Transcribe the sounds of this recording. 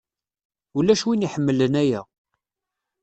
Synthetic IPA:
ulæʃwiniħəmːələnæjæ

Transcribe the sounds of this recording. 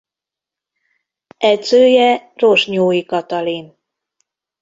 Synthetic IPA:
ɛzøːjɛroʒɲoːikɒt̪ɒlin

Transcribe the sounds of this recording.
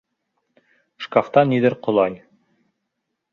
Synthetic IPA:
ʃkaft̪ɑniðɘɾqŏlˠɑj

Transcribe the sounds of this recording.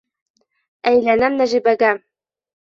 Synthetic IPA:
æjlænæmnæʒibæɡæ

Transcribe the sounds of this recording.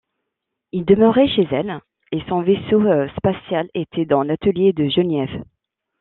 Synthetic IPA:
ild̪əmœʁɛʃezɛl | esɔ̃vesospasjalet̪ʰɛd̪ɑ̃lat̪əljed̪əʒənɛv

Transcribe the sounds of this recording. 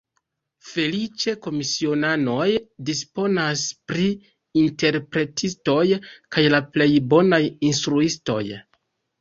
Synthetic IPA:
fe̞lit͡ʃe̞ko̞misio̞nano̞jdispo̞naspɾiː | nte̞ɾpɾe̞tʰisto̞jkajlaple̞jbo̞najinstɾuisto̞̰j

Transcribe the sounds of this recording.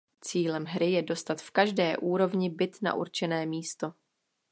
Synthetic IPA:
t͡siːlɛmɦɾɪjɛdo̞st̪at̪fkaʒdɛːʔuːɾo̞vɲɪbɪt̪na̰ʔṵɾt͡ʃɛnɛːmiːst̪o̞

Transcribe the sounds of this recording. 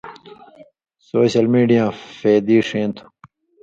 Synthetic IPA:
soːɕɐlmiːɖijãːfeːd̪iːʂẽːnt̪ʰu̥

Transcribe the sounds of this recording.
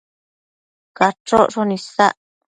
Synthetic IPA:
kaʈ͡ʂoʔʂonĩsaʔ

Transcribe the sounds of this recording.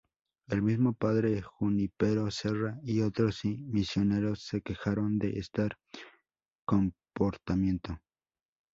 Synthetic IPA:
e̞lmizmopaðɾexunipeɾoseraiot̪ɾosimisjone̞ɾosːekexaɾond̪eʔest̪aɾ | kompoɾt̪amje̞nt̪o

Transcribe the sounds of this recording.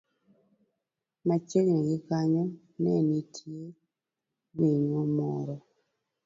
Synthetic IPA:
mat͡ʃeknɛɡɪkaɲɔ | nɛnitʰje | ɡwiɲomɔɾɔ

